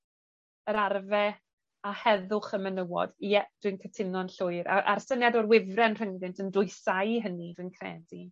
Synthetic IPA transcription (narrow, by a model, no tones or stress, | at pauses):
əɾarvɛ | ahɛðʊχəmənəwɔ̰d̥jɛd̥wɨnkʰətʰɪnɔnɬʊɨɾa̰ʔa̰rsənjadɔrwɪvrɛnr̥əŋðɪntʰəndʊɨsajɦənidwɨnkʰrɛ̰ːdi